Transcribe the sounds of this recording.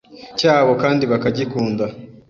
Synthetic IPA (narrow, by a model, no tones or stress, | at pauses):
caːβo̞kaːndiβakaɟikuːnda